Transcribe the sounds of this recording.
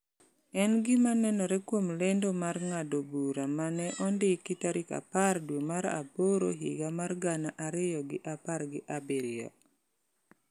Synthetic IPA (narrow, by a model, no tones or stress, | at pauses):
ɛnɡɪmanɛnɔɾɛkwomlendomarŋadobuɾamanɛʔɔndɪkitaɾɪka̰pardwemaɾa̰poɾo̰ɦḭɡamarɡanaʔaɾɪjɔɡɪʔaparɡɪʔabeɾɪɔ̰